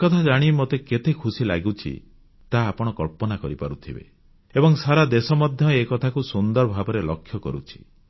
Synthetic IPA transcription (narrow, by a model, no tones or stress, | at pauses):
kɔt̪ʰad͡ʒaɽ̃imot̪eket̪ekʰusila̰ɡut͡ʃʰḭ | t̪aːpɔɽ̃ɔkɔɭpɔnakɔɾipa̰ɾut̪ʰibḛ | ebɔŋsaɾad̪esɔmɔd̪ʱjɔekɔt̪ʰakusund̪ɔɾɔbʱabɔɾelɔkʰːjɔkɔɾṵt͡ʃʰi̥̰